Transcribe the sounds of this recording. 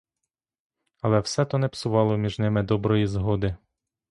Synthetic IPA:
ɐlˠɛwsɛt̪ɔnɛpsʊʋɑlˠɔmʲiʒnɪmɪd̪ɔbɾɔjizɦɔd̪ɪ

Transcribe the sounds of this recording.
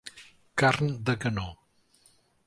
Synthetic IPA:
kaɾnd̪əɡəno

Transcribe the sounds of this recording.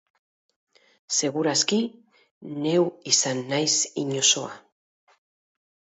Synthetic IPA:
se̞ɣuɾaski | ne̞wisanːajsiɲo̞so̞a

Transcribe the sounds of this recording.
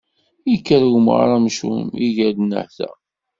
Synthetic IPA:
ikːəɾwm̰ʁɾˤɑmʃṵmiʝælnə̰ħθæ̰

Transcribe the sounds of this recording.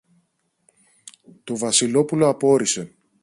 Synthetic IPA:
t̪o̞vɐsilo̞pulo̞ɐpo̞ɾise

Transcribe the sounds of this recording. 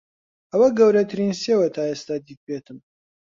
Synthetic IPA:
ɐwɐɡɐwɾɐt̪ʰɨɾiːnsewɐt̪ʰaːest̪aːd̪iːk̚beːt̪ʰɨm

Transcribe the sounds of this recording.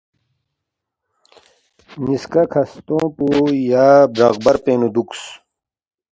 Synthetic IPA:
niskakʰɐst̪õːpujaːbɾɐ̰ɣbɐɾpeːnud̪uks

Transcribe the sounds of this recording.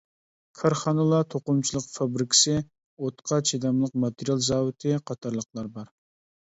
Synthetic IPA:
kʰɑɾχɑnɨlˠɑt̪ʰoqʊmt͡ʃʰilˠəqfɑbɾɪkʰʲɪ̥sɪ | ot̪qʰɑt͡ʃʰid̪ɑmlˠəq̚mɑt̪ɾijɑlˠzɑːwɪt̪ʰɪqʰɑt̪ʰɑɾlˠəq̚lˠɑɾbɑɾ

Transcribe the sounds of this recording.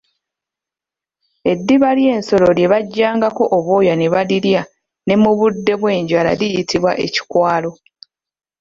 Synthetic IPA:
e̞dːiβalje̞ːnso̞lo̞ɾje̞βaɟːaːŋɡako̞ʔoβoːjaneβaliɾja | ne̞muβudːe̞βwe̞ːɲɟala̰lijitʰiβwaʔe̞̰ci̥kwaːlo̞

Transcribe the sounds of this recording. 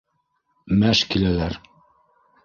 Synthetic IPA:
mæʃkilælæɾ

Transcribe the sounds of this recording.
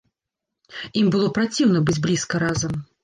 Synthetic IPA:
imbɨlˠɔpɾat͡sʲiwnɐbɨd͡zʲblʲiskɐɾazɐm

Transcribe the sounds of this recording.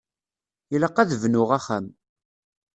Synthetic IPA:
jələqːæðvnʊʁæχæm

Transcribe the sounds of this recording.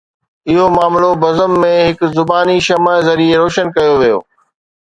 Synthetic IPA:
ɪɦomaːmlobɐzəmːẽɦɪkzʊbaːniʃɐməzɐɾieɾoːʃənkɐjoʋijo̰ː

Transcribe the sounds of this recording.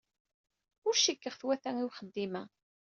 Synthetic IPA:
ʊɾʃikːəʁθwæθæŋiwχəd̪ːimæ

